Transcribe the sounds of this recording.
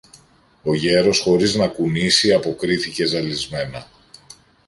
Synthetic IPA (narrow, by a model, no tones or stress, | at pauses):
o̞ʝe̞ɾo̞sxo̞ɾiznɐkunisiɐpo̞kɾiθice̞zɐlizme̞nɐ